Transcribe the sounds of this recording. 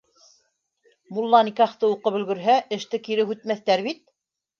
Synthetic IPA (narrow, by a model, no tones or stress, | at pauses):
mulˠːɑnikɑχt̪ɤuqɤpɵ̆lɡɘ̆ɾɦæʔɘ̆ʃt̪ɘkiɾɘhʉt̪mæθt̪æɾβit̪̚